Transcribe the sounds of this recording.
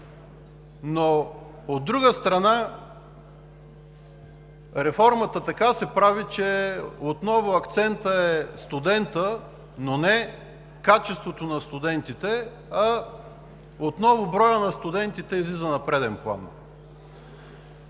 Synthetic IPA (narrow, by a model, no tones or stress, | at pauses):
no | od̪ːɾuɡəst̪ɾɐna | ɾɛfɔɾmət̪ət̪ɐkasɛpɾavit͡ʃɛot̪nɔvʊɐkt̪sɛnt̪əɛst̪ʊd̪ɛnt̪ə | nonɛ | kat͡ʃɛst̪vot̪onɐst̪ʊd̪ɛnt̪it̪ɛ | ɐ | ot̪nɔvʊbɾɔjənɐst̪ʊd̪ɛnt̪it̪ɛizlizənɐpɾɛd̪ɛnplˠa̰n